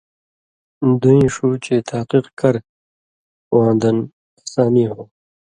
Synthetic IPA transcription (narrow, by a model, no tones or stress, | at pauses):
d̪uĩːʂuːt͡ɕeːt̪ʰaːqiqkɐɾ | wãːnd̪ɐn | saːniɦõː